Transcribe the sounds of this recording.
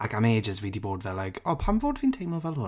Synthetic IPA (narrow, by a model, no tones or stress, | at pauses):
aɡameːd͡ʒəzwidibɔːdvɛlːajkʰɔːpʰanvoːdvintʰejməvɛlˠhʊn